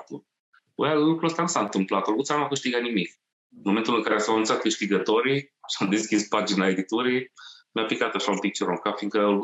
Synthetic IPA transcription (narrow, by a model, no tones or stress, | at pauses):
t̪u | ojalukɾuəst̪anusaɨnt̪ɨmplat̪olɡut̪sanuakɨʃt̪iɡat̪nimik | ɨnmome̞nt̪ulɨŋkaɾesawanunt̪sat̪̚kɨʃt̪iɡət̪o̞ɾiʃiamd̪e̞skʲispad͡ʒinae̞d̪it̪uɾimjapikat̪aʃaũmpik̚t͡ʃoɾoŋkafiŋkəɡ